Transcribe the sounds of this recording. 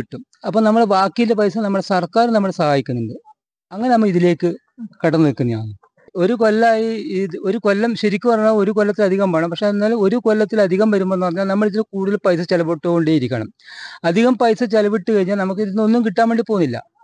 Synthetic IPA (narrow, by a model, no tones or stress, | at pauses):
iʈːum | ɐpːoːnɐmːɐɽeʋaːkːijilːdep̬ɐjsɐnɐmːɐɭɽesɐrkaːɾnɐmːɐɽesɐhaːjikʲːunːuɳɖɨ | ɐŋːɐnenɐmːɐɭiðile̞ːkːɨ | kɐɽɐnːikːunːɐɲa̰ːnɨ | o̞ɾuko̞lːaːjiio̞ɾuko̞lːɐmɕɐɾikʲːɨpɐrɐɲːaːlo̞ɾukolːɐt̪ːilɐd̪ʱiɣɐmʋɐɳɐmpɐkʂeɐnːaːluo̞ɾukolːɐt̪ːilɐd̪ʱiɣɐmʋɐɾumːoenːpɐrɐɲːaːlnɐmːɐɭit̪ːilekuːɽuðilpɐjs̬ɐt͡ɕelɐʋoʈːouɳɖeːjiɾikʲːɐɳɐ̰mɐd̪ʱiɣɐmpɐjsɐt͡ɕelɐʋiʈːɨkɐɻiɲːaːlnɐmukːinːonːumkiʈːaːme̞ɳɖiɨpoːnːilːɐ̰